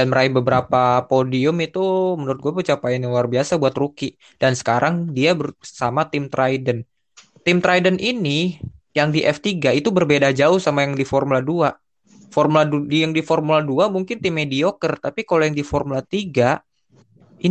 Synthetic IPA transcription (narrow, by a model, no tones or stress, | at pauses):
danməɾaibəbəɾapapodiʊmit̪umənuɾʊt̪̚ɡuapət͡ʃapaɪnluarbiasabuat̪ɾuki | d̥ansə̥kaɾʔaŋdiabəsamat̪ɪmt̪ɾʔajdən | t̪ɪmt̪ɾaidənʔini | jaŋdiʔɛft̪iɡait̪ubərbedad͡ʒaʊhsamajaŋdifɔrmuladua | fɔrmulajaŋdifɔrmuladuamuŋkɪnt̪ɪmːediokərt̪apikalojaŋdifɔrmulat̪iɡa | i